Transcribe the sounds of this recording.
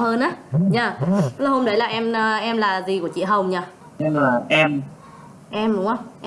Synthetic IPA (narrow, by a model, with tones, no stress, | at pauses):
həː˧nʔaː˨˦ɲaː˧˩˦laː˨˩ho˧mɗə˨˦jlaː˨˩ʔɛ˧mː˧ʔɛ˧mlaː˨˩zi˨˩ku˧˩ət͡ɕḭ˧˨əɦə˨˩wŋ͡mɲaː˧˩ | ɲɨ˧ŋlaː˨˩ʔɛ˧m | ʔɛ˧mɗʊ˨˦ŋ͡mʔə˧wŋ͡mʔ